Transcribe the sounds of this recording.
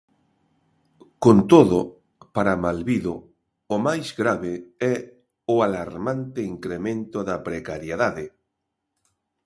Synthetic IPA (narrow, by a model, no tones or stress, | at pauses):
kont̪oðʊ | paɾamalβiðo | omajzɣɾaβɪɛ | ʊalaɾmant̪ɪiŋkɾemẽnt̪oðɐpɾekaɾjeðaðɪ